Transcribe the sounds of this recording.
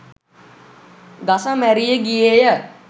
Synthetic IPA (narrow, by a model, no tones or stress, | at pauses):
ɡasamæɾijəɡijejə